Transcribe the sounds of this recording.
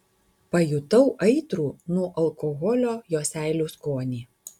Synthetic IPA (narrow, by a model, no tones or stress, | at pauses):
pɐjʊt̪ɐʊʔɐɪt̪ɾuːnuɔʔɐlˠkɔɣɔlʲoːjoːsʲæˑɪlʲuːˑskoːnʲiː